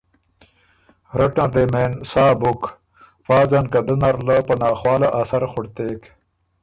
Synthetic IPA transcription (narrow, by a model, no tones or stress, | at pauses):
ɾɐʈaɾd̪emensaːbʊk | faːzɐnkad̪ənɐɾlapɐnaːxwɑːlaʔasɐɾxʊɽt̪eːk